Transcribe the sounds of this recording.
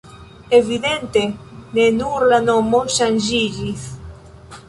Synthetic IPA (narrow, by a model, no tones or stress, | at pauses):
eβiðent̪enenuɾlanomoʃanʒiʎiθ